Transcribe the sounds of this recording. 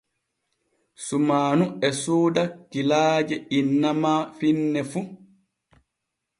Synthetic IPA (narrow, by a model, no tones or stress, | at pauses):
sumaːnuɛsuːdakilaːd͡ʒɛinːamafinːɛfu